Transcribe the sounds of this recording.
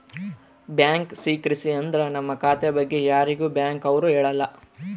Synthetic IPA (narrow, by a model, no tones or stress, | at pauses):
bjaːŋksiːkɐɾisiɐnd̪ɐɾɐnɐmːɐkʰaːt̪ɛbɐɡːe̞jaːɾiɡuːbjaːŋkɐʋɐɾuɦɛːɭɐlːɐ